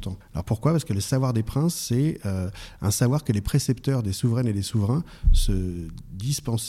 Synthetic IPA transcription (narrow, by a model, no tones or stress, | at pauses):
t̪ɑ̃alɔ̰ʁpuʁkwapaʁsəkələsavwaʁd̪epχɛ̃sːɛøɛ̰̃savwaʁkəlepχesɛpt̪œʁd̪esuvʁɛned̪esuvʁɛ̃ | səd̪ispɑ̃s